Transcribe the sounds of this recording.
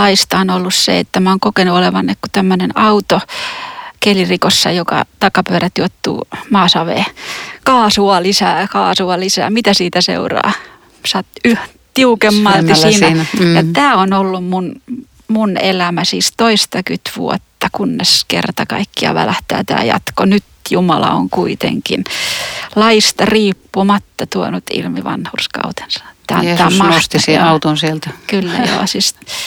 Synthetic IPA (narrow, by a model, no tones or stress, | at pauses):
ɑist̪ɑonolːussḛḛt̪ːæmæoːŋkokenuoleʋɑnːekkut̪æmːønenɑut̪o | kelirikosːɑ̰jokɑ̰t̪ɑkɑpyøɾæt̪juot̪ːṵːmɑːsɑʋḛːkɑːsuɑlisæːkɑːsuɑlisæ̰ːmit̪æsiːt̪æsḛurɑ̰ː | sɑt̪yh | t̪iukemːɑlt̪isiːnæjɑt̪æːonolːummun | munelæmæsiːst̪oist̪ɑkyt̪ʋṵɔt̪ːɑkunːeskḛrt̪ɑkɑikːiɑ̰ʋæ̰læht̪æːt̪æ̰ːjɑ̰t̪konyt̪jumɑlɑ̰o̰ŋkuit̪ḛŋkḭn | lɑist̪ɑriːpːumɑt̪ːɑt̪uonut̪ḭlmiʋɑ̰nhurskɑ̰ut̪e̥nsɑ̥et̪ːæɑ̰nːɑːmmɑost̪isiɑut̪unsielt̪ækylːæ̰jo̰ːsist̪